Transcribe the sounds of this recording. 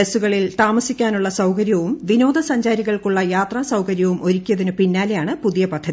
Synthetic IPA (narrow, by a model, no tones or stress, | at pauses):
esuɣɐɭilt̪aːmɐsikʲːaːnuɭːɐsɐwkɐɾjɐʋumʋino̞ːd̪ɐsɐɲd͡ʑaːɾiɣɐɭkuɭːɐjaːt̪raːsɐwkɐɾjɐʋumʔo̞ɾikʲːijɐðinɨpinːaːlejaːɳɨpuðijɐpɐd̪ʱɐði